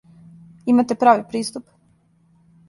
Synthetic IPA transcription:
imat̪epɾaːʋipɾiːst̪up

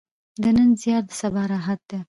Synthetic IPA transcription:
d̪ənənzjɑt̪̚d̪əsabɑɾɑɦat̪̚d̪e

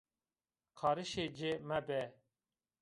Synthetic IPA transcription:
kʰɑːɾɨʃed͡ʒemɛbɛ

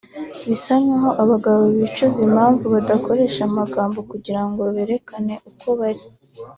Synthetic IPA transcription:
βisaɲɲaɦo̞ʔaβaɡaβoβit͡ʃozimaːɱvuβadako̞ɾe̞ːʃamaɡaːmbo̞kuɟiɾaŋɡo̞βeɾe̞kane̞ʔukʰo̞βaɾi

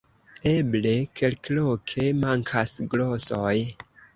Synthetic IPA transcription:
eble̞kʰe̞lklokʰemaŋkʰasɡlosoj

